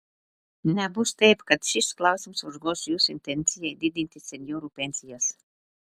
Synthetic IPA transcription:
nʲæbust̪ɛjpkat̪ʃisklˠawsʲimsuzɡɔsjuːsint̪enʲt̪sʲijajd̪id̪ʲinʲt̪ʲisʲenʲjɔɾupʲensʲijas

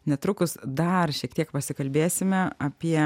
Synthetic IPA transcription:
nʲɛt̪ɾʊkʊsd̪ɐrʃʲiɛkt̪ʲiɛkpɐsʲɪkɐlʲbʲeːsʲɪmʲɛɐpʲiɛ

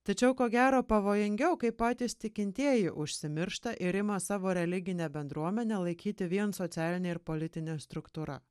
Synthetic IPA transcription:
t̪ɐt͡ʃʲɛʊkoːɡʲæːɾoːpɐʋoːjɪŋʲɡʲɛʊkɐɪppɑːt̪ʲiːst̪ʲɪkʲɪnʲt̪ʲiɛjɪʔʊʃʲsʲɪmʲɪɾʃt̪ɐʔɪɾɪmɐsɑːʋoːɾʲɛlʲɪɡʲɪnʲebʲɛnd̪ɾuɔmʲɛnʲɛːlˠɐɪkʲiːt̪ʲɪʋʲiɛnsot̪sʲæːlʲɪnʲeɪɾpoːlʲɪt̪ʲɪnʲest̪ɾʊkt̪uːɾɐ̰

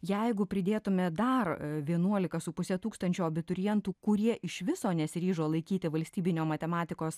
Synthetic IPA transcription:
jɛɪɡʊpʲɾʲɪd̪ʲeːt̪ʊmʲɛd̪ɐrʋʲiɛnuɔlʲɪkɐsʊpʊsʲɛt̪uːkst̪ɐnʲt͡ʃʲuːɐbʲɪt̪ʊɾʲɪjɛnt̪uːkʊɾʲiɛʔɪʃʋʲɪsoːnʲɛsʲɾʲiːʒoːlˠɐɪkʲiːt̪ʲɪʋɐlʲsʲt̪ʲiːbʲɪnʲoːmɐt̪ʲɛmɑːt̪ʲɪkoːs

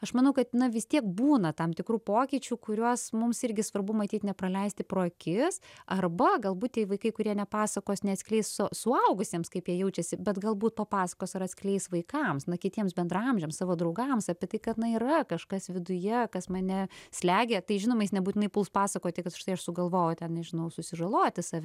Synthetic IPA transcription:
ɐʃmɐnɐʊkɐt̪nɐʋʲɪst̪ʲiɛk̚buːnɐt̪ɐmt̪ʲɪkɾuːpoːkʲiːt͡ʃʲuːkʊɾʲuɔsmʊmsɪɾʲɡʲɪsʋɐrbʊmɐt̪ʲiːt̪ʲnʲɛpɾɐlʲɛɪsʲt̪ʲɪpɾoːkʲɪsɐrbɐɡɐlˠbuːt̪̚tʲiɛʋɐɪkɐɪkʊɾʲiɛnʲɛpɑːsɐkoːsʲnʲɛɐt̪sʲkʲlʲɛɪssʊsʊɐʊɡʊsʲiɛmskɐɪpjiɛjɛʊt͡ʃʲɛsʲɪbʲɛt̪ɡɐlˠbuːt̪̚pɐpɑːsɐkoːsɐɾɐt̪ʲsʲkʲlʲɛɪsʋɐɪkɐmsnɐkʲɪtʲiɛmsbʲɛnd̪rɐmʲʒʲɛːmssɑːʋoːd̪ɾɐʊɡɐmsɑːpʲɛt̪ɐɪkɐt̪nɐiːɾɐkɐʃkɐsʋʲɪd̪ʊjɛkɐsmɐnʲɛsʲlʲæːɡʲet̪ɐɪʒʲɪnoːmɐjɪsnʲɛbuːtʲɪnɐɪpʊlˠspɑːsɐkoːt̪ʲɪkɐt̪ʃt̪ɐɪɐʃsʊɡɐlˠʋoːjotʲɛnnʲɛʒʲɪnɐʊsʊsʲɪʒɐlˠoːt̪ʲɪsɑːʋʲɛ

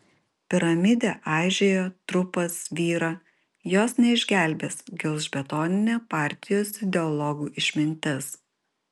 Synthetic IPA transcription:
pʲɪɾɐmʲɪd̪ʲeːʔɑːˑʒʲejoːt̪ɾʊpɐsʋʲiːɾɑː | joːsnʲɛɪʒʲɡʲæˑlʲbʲeːsɡʲɛʊzʒʲbʲɛt̪ɔːnʲɪnʲeːpɑˑɾʲt̪ʲɪjoːsɪd̪ʲɛɔlˠɔɡuːʔɪʃʲmʲɪnʲt̪ʲɪs

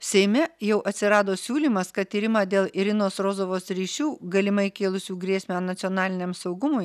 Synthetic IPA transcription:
sʲɛɪmʲɛjɛʊʔɐt̪ʲsʲɪɾɑːd̪oːsʲuːlʲiːmɐskɐt̪̚t̪ʲiːɾʲɪmɑːd̪ʲeːlˠɪɾʲɪnoːsɾoːzoːʋoːsɾʲiːʃʲuːɡɐlʲɪmɐɪkʲeːlˠʊsʲuːɡɾʲeːsʲmʲænnɐt̪sʲoːnɑːlʲɪnʲɛːmsɒʊɡʊmʊj

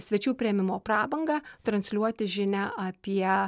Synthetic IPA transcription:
sʲʋʲɛt͡ʃʲuːpʲɾʲɪɛmʲɪmoːpɾɑːbɐŋɡɑt̪ɾɐnʲsʲlʲuɔt̪ʲɪʒʲɪnʲæʔɐpʲiɛ

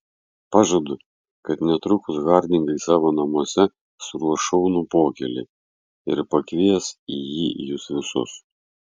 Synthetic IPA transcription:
pɑːʒod̪ʊ | kɐt̪nʲɛt̪ɾʊkʊsɣɑːɾʲd̪ʲɪŋɡɐɪsɑːʋoːnɐmuɔsʲɛ | sʊɾuɔʃɔʊnʊpoːkʲɛlʲɪ̰ | ɪɾpɐkʋʲiɛsijiːjʊsʋʲɪsʊ̰s

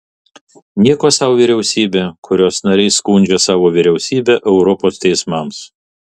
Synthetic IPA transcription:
nʲiɛkoːsɑːʋoʋʲiɾʲɛʊsʲiːbʲeːkʰʊɾʲoːsnɐɾʲɛɪskuːnʲd͡ʒʲɛsɑːʋoːʋʲɪɾʲɛʊsʲiːbʲeːʔɛʊɾɔpoːst̪ʲɛɪsmɐms

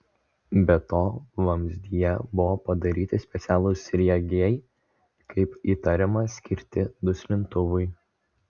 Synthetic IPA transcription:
bʲɛt̪oːʋɐmʲzʲd̪ʲɪjɛbʊʋoːpɐd̪ɐɾʲiːt̪ʲɪsʲpʲɛt̪sʲæːlˠʊsʲɾʲiɛɡʲɛɪ | kɐɪpiːt̪ɐɾʲɛmɐsʲkʲɪɾʲt̪ʲɪd̪ʊsʲlʲɪnt̪ʊʋʊɪ

